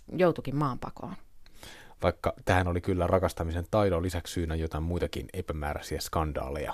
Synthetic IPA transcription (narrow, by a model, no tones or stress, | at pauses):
jout̪ukimmɑːmpɑ̰ko̰ːn | ʋɑikːɑt̪æːænolikylːærɑkɑst̪ɑmisent̪ɑjdolisækssyːnæjot̪ɑimmujt̪ɑkḭnepæmæ̰ːɾæ̰siæskɑndɑ̰ːlejɑ̰